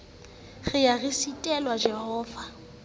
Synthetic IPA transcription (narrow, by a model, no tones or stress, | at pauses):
ɣɪjaɣisitʼɛlwad͡ʒɛɦɔːva